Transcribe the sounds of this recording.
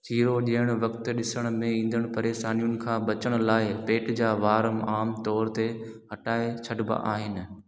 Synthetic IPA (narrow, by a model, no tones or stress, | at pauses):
t͡ɕiːɾoɗiːəɽ̃ʊʋɐkt̪ɗɪsəɽ̃mẽĩːn̆d̪əɽ̃pɐɾeːʃaːnijʊnɪ̆kʰãːɓɐt͡ɕəɽ̃ʊ̆laːɪpeːʈd͡ʑaːʋaːɾəmaːmt̪ɔːɾt̪eɦɐʈaːet͡ɕʰɐɖba̰ʔa̰ːɦɪnɪ̆